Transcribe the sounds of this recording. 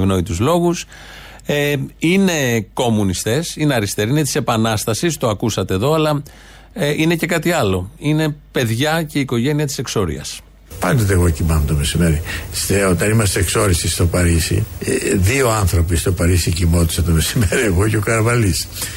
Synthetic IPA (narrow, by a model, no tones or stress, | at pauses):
vno̞it̪uzlo̞ɣus | eine̞ko̞munist̪e̞sine̞ɐɾist̪e̞ɾinet̪ise̞pɐnɐst̪ɐsist̪o̞ɐkusɐt̪e̞ːðo̞ɐlɐ | ʔine̞ce̞kɐt̪iɐlo̞ine̞pe̞ðʝɐce̞iko̞ʝe̞niɐt̪i̥se̞kso̞ɾḭɐ̰s | pɐnd̪o̞t̪̬eːɣo̞cimɐnot̪ome̞sime̞ɾist̪eot̪ɐnimɐst̪eːkso̞ɾisist̪o̞pɐɾisḭðio̞ɐnθɾo̞pist̪o̞pɐɾisicimo̞t̪i̥sɐt̪ome̞simeɾieɣoceokɐɾvɐlis